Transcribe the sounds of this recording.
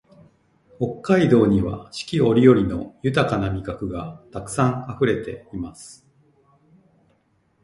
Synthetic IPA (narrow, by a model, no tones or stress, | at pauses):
ho̞kːaid̪o̞ːɲ̟iβa̰ɕi̥kʲio̞ɾʲijo̞ɾʲino̞jɯ̟t̪akanamʲikakɯ̟ɡat̪akɯ̟̥sãŋ̃aɸɯ̟ɾe̞t̪e̞imasɨ̥